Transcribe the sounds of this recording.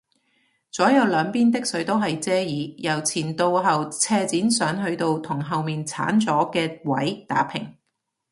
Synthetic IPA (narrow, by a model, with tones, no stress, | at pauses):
t͡sɔː˨˥jɐ˨˧wlœː˨˧ŋpiː˥nt̪ɪ˥k̚sɵ˨˥ɥt̪o˥wɦɐ˨jt͡sɛː˥jiː˨˧˥jɐ˨˩wt͡sʰiː˨˩nt̪o˧wɦɐ˨wt͡sʰɛː˧t͡siː˨˥nsœː˨˥ŋɦɵ˧ɥt̪o˧wt̪ʰʊ˨˩ŋɦɐ˨wmiː˨nt͡sʰa̰ː˨˥nt͡sɔː˨˥kɛː˧wɐ̰˨˥jt̪a̰ː˨˥pʰɪ˨˩ŋ